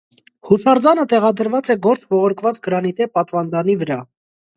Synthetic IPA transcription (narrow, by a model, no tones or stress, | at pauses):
husɑɾd͡zɑnət̪ɛʁɑd̪əɾvɑt͡sɛɡɔɾt͡sʰvɔʁɔɾkʰvɑt͡sɡəɾɑnit̪ɛpɑt̪vɑnd̪ɑnivəɾɑ